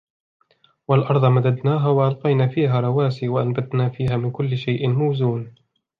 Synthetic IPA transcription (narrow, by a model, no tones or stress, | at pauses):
walʔɑɾˤd̪ˤɑmad̪ad̪naːɦaːwaʔalqɑjnaːfiːɦaːɾˤɑwaːsiːwaʔanbat̪naːfiːɦaːmɪnkʊlːɪʃajʔɪnmawzuːn